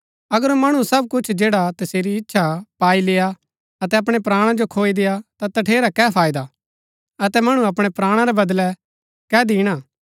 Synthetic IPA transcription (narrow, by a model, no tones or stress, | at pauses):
ɐɡəɾmɐɽ̃ũsɐb̚kʊt͡ʃʰd͡ʒeːɽat̪ɐseːɾiɪtːʃʰapaːileːa | ɐt̪ɛɐp̬ɽ̃epɾaːɽ̃ãd͡ʒokʰoːid̪ejat̪at̪ɐʈʰeːɾakɛːpʰaːɪd̪a | ɐt̪ɛmɐɽ̃ũɐpɽ̃ɛpɾaːɽ̃ãɾɛbɐd̪lɛ | kɛːd̪iːɽ̃aː